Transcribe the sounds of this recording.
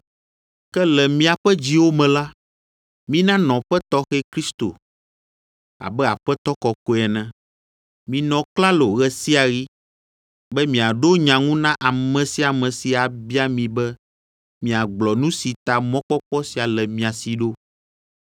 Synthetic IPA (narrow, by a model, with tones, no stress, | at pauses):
kɛ˦lɛ˨mĩ˦a˨ɸɛ˦d͡ʑi˦wo˦mɛ̃˨la˦ | mĩ˦nã˦nɔ̃˨ɸɛ˦t̪ɔ˦xɛ˦kɾi˦st̪o̰˨ | a̰˨bɛ˦a̰˨ɸɛ˦t̪ɔ˦kɔ˨ko˦ɛ˨nɛ̃˦ | mĩ˨nɔ̃˨kla˦lo˨ɣɛ˨si˦a˨ɣi˦ | bɛ˦mĩ˨a˨ɖo˦ɲã˨ŋũ˦nã˦ʔa˨mɛ̃˨si˦a˨mɛ̃˨si˨a˨bi˦a˦mĩ˨bɛ˦ | mĩ˨a˨ɡ͡blɔ˨nũ˦si˨t̪a˨mɔ̃˦k͡pɔ˦k͡pɔ˦si˨a˨lɛ˨mĩ˨a˨si˨ɖo˦